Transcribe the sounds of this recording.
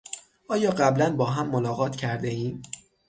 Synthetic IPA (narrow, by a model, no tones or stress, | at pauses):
ʔɒːjɒːɢæblænbɒːɦæmːolɒːɣɒːt̪ʰcʰæɾd̪eiːm